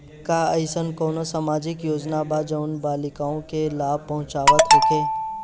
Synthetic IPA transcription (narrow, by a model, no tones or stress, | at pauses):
kaəɪsənkoːnosamaːd͡ʒɪkjoːd͡ʒnabaːd͡ʒəʊnbaːlɪkaːõkelaːb̚pɐɦʊ̃t͡ʃaːʋək̪ɦokeː